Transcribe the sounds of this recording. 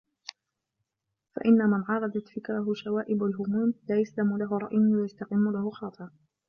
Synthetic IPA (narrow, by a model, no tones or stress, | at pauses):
fa̰ʔɪnːamɪnʕɑɾˤɑd̪ɑt̪fɪkɾˤaɦʊʃawaːʔɪbalɦʊmuːmlaːjaslamʊlaɦʊɾˤɑ̰ʔjʊwɪjast̪aqɪmːʊlahʊxɑːt̪ˤɨɾ